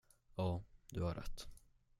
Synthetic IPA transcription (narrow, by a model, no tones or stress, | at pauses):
ɑːd̪ɵhaɾʔɛ̰t̪ː